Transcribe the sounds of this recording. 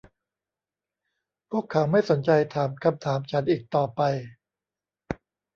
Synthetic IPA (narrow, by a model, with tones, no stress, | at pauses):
pʰu˥˩əkʰːa˩˦wma˥˩jso˩˦nt͡ɕa˧jt̪ʰaː˩˦mkʰa˧mt̪ʰaː˩˦mt͡ɕʰa˦˥nʔiː˨˩k̚t̪ɔː˨˩pa˧j